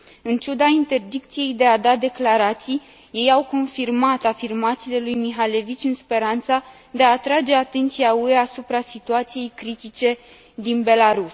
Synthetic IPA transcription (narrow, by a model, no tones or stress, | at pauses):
ɨnt͡ʃud̪aint̪e̞rd̪ikt̪sije̞jd̪e̞ad̪ad̪e̞klaɾat̪sij | je̞jawko̞nfirmat̪afirmat̪siːle̞lujmiɦale̞vit͡ʃʲɨnspe̞ɾant̪sə | d̪e̞aːt̪ɾad͡ʒe̞at̪e̞nt̪siaue̞asupɾasit̪uat̪sije̞jkɾit̪it͡ʃe̞ | d̪inbe̞laɾus